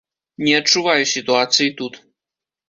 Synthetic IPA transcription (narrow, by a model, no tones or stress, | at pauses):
nʲɛɐt͡ʂːuvajusʲit̪uat̪sɨjit̪ut̪